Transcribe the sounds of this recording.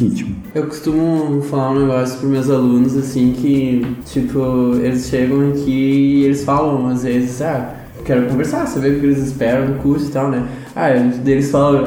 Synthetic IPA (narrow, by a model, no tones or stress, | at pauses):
ĩt͡ʃimʊ | ewko̥st̪ũmʊfalaɾũneɡɔssjbɾɪmewzalũnʊzasĩkʰʲɪt͡ʃipʰʊelɪsʃeɡɐ̃w̃akʰʲiːelɪsfalɐ̃w̃azvezɪza | kɛɾʊkõveɾsasabeɾʊkɪelɪzɪspɛɾɐ̃w̃d̪ʊkuɾst̪ʊɪ̥t̪awnɛ | ad̪elɪsfalɐ̃w̃